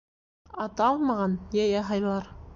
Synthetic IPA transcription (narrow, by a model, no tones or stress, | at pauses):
ɑt̪ɑlˠmɑʁɑnjæjɑɦɑjlˠɑɾ